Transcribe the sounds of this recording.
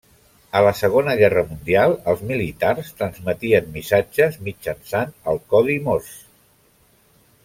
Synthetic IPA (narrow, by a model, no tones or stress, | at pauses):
ələsəɣ̞onəɣɛrəmund̪ialˠəlˠzmilit̪arst̪ɾənzmət̪iənmisad͡ʒəzmid͡ʒənsanəlˠkɔðimos